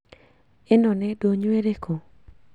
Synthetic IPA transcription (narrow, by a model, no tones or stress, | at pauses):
ɪnɔnɛdoɲweɾekʰo